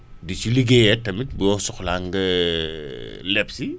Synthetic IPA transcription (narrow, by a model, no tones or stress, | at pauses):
dit͡ʃuliɡejɛtːɐmit̚bujɔsɔxlaŋɡɐ | lɛpsi